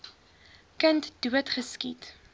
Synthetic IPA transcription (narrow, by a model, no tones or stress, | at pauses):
kəntduətχəskit